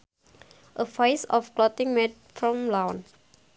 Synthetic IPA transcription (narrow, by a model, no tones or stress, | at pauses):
ʔəfajsɔfklɔtɪ̃ŋmɛt̚fɹɔ̃mlãwn